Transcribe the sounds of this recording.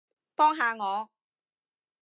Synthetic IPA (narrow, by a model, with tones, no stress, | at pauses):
pɔː˥ŋɦaː˨˧ŋɔː˨˧